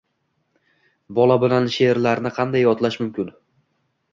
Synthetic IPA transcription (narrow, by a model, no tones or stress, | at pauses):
bɒlˠabɪlanʃe̞ɾlaɾnɪqʰɑnd̪ajːɒt̪laʃmʊmkʲɪn